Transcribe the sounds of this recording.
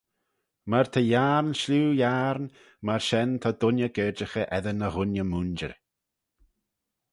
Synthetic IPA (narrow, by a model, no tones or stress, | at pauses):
maɹt̪ʰəjaɹnʃluːjaɾn | maɹʃɛnt̪ʰɔd̪ʊnjəɡ̥ɛːd͡ʒəxəʔɛðənəɣʊnjəmund͡ʒə̰ɾ